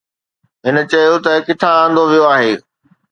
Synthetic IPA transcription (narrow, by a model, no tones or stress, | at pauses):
ɦɪnə̆t͡ɕɐjot̪ɐkɪt̪ʰããːn̆d̪oʋijoaːɦeː